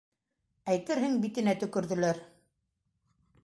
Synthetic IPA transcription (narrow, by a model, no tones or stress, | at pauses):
æjt̪ɘɾɦɘŋbit̪ɘ̆næt̪ɵ̆kɵ̆ɾðɵ̆læɾ